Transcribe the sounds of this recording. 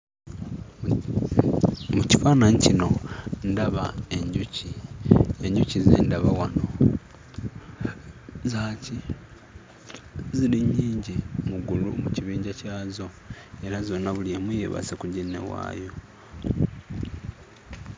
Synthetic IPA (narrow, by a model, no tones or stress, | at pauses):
mucifaːnancino̞ndaβaeɲɟuci | eɲɟucizḛːndaβawano̞ | zaːci | ziɾiɲːiːɲɟimuɡulumuciβiːɲɟacaːzo̞ | e̞ɾazo̞nːaβuliemuje̞̰βa̰sekuɟenːe̞̰wa̰ːjo̞